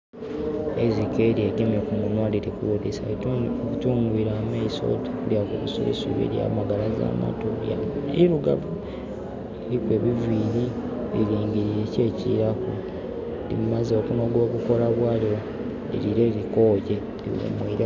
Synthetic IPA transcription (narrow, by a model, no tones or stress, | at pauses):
ezikeɾieɡemjokuŋɡunwaliɾikuwudisaβutuːŋɡuiːɾameiso̰tu̥kuljakuβusṵβḭsṵβḭɾja̰maɡalaza̰ːma̰toja̰iɾuɡavu | eɾikwe̞ːβiviːɾi | βiɾiːŋɡiɾiɾece̞ːciɾaku | dimumazo̞kuno̞ɡo̞ːβuko̞laβwaːljo | eɾiɾeɾikoːɟe | lḭwḛmwiɾa